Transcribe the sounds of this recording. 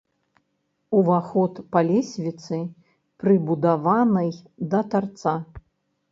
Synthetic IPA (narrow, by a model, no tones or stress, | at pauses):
uvaxɔt̪palʲɛsʲvʲit̪sɨ | pɾɨbud̪avanɐjd̪ɐt̪art̪sa